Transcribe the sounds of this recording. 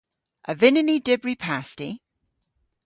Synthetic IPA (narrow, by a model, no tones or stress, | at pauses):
ʔəvɪnɪnidɪbɹipʰasti